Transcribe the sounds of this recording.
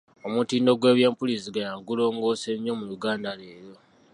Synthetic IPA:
o̞mutiːndo̞ɡwe̞ːβjeːmpulisiɡajaːɡulo̞ːŋɡo̞ːse̞ɲːo̞muluɡaːndale̞ːɾo̞

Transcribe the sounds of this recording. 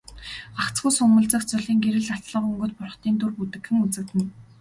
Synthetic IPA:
ɢakt͡sɡuːsʊŋmə̆ɮt͡sə̆kt͡sʊɮiːŋɡeɾɘ̆ɮḁt̪ɮə̆qɵŋɡɵ̆t̪̚pʊrχ̆t̪iːnt̪urput̪ɘ̆kxɘ̆ŋut͡sɘ̆k̚t̪ɘ̆n

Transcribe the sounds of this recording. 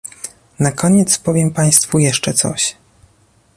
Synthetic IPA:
nakʰɔɲɛt̪spɔvʲjɛmpaj̃st̪fujɛʂt͡ʂɛt̪sɔ̰ɕ

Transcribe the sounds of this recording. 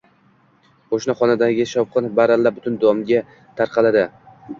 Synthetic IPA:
qʰoʃnaχɒnad̪aɡʲɪʃɒwqʰɨnbaɾalːabʊt̪ʰʊnd̪ɒmɡʲa | t̪ʰaɾqʰɑlad̪ɪ

